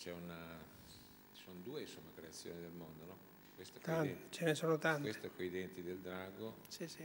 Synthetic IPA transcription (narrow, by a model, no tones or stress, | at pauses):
t͡ʃɛuna | t͡ʃi̥sonod̪uːeinsomːakɾeat̪sːjo̰ːnid̪elmond̪onɔ | kwest̪oɛt̪ant͡ʃenesoːnot̪antwese̥t̪oɛkːoid̪ɛnt̪id̪eld̪ɾaːɡosisi